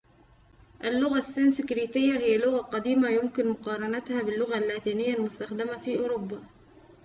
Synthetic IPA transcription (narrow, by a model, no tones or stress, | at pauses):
ʔalːʊɣasːɪnsɪkɾiːt̪ɪjːahɪjːalʊɣaqɑd̪iːmajʊmkɪnmʊqɑːɾˤɑnat̪haːbɪlːʊɣalːaːt̪iːnɪjːalmʊst̪axd̪amafiːʔʊːɾʊbːaː